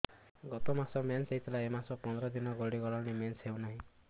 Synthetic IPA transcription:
ɡɔt̪ɔmasɔmenseɦt̪ʰilaemasɔpɔnd̪ɾɔd̪inɔɡoɽiɡɔɭaɽimensɦewnaɦĩ

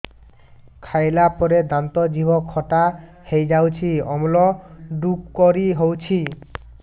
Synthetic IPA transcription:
kʰajlapɔɾed̪ant̪ɔd͡ʑibʱɔkʰːɔʈa | hejd͡ʑawt͡ɕʰiɔmlɔɖukkoɾiɦowt͡ɕʰi

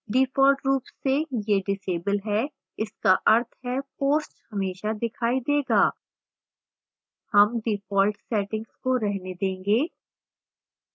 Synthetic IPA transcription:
ɖiːfɔːlʈɾuːpsːejeɖɪseːbəlɦɛ | ɪskaʔɐɾt̪ʰɦɛpoːsʈhɐmeːʃad̪ɪkʰaːid̪eːɡaː | hɐmɖiːfɔːlʈsɛːʈɪ̃ŋɡskoɾɛɦned̪ẽːŋɡeː

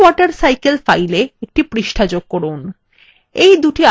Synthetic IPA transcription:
ɔʈaɾsajkelfajleek̚ʈipɾiʃʈʰad͡ʑoɡ̚kɔɾun | ejd̪uʈia

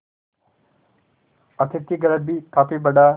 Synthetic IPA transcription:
ɐt̪ʰɪt̪iɡɐɾəbiːkaːpibəɖaː

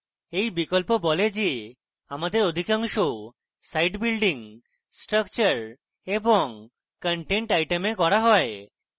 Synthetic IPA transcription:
ejbikɔlpobɔled͡ʒe | amad̪eɾod̪ʱikaŋʃo | sajʈbilɖiŋ | sʈɾəkt͡ʃəɾ | ebɔŋ | kəɳʈeɳʈajʈemekɔɾaɦɔe

